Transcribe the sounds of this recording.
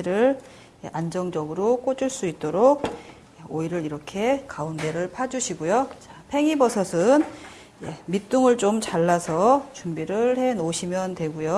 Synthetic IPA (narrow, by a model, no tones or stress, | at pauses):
ɾɯɭ | eʔand͡ʑʌŋd͡ʑʌɡɯɾok͈od͡ʑuɭs͈uit̚t͈oɾok̚ | eoiɾɯɾiɾʌkʰe̞kaunde̞ɾɯɭpʰad͡ʑuɕʰiɡojot͡ɕapʰe̞ŋibʌsʰʌsʰɯn | jemit͈uŋɯɭt͡ɕomt͡ɕaɭːasʰʌt͡ɕumbiɾɯɭhe̞noɕʰimjʌntwe̞ɡujo